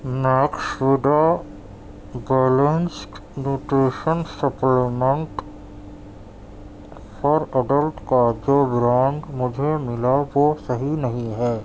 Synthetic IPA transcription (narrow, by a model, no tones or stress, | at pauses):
naːkʃʋɪd̪a | bɛːlə̃nsʈnjuːʈɾeːʃənsəplemẽɳʈ | fʰɔɾɐɖəlʈkad͡ʒoːbɾãːŋɡmʊd͡ʒʱemɪlaʋosɐɦinɐɦĩɦɛː